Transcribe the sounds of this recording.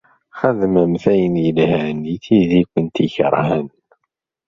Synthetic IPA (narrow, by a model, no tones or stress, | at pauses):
χəðməmθæjənjəlhæniθiðikʷənt̪içəɾˤhən